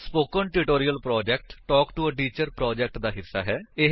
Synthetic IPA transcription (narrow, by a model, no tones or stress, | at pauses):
spoːkənʈuʈoːɾijəlpɾɔːd͡ʒɛːk̚ʈːɔːkʈuəɖiːt͡ʃəɾpɾɔːd͡ʒɛːk̚ʈd̪aːɦɪsːaːɦɛːɪ